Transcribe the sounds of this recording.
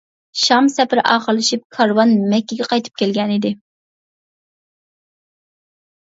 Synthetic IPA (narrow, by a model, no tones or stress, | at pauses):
ʃɑmsɛpɪɾʔɑːχəɾlˠɨʃip̚kʰɑɾwɑnmɛkʲːiɡʲɛqɑjt̪ʰɨ̥p̚kʲʰɛlɡʲɛnid̪ɪ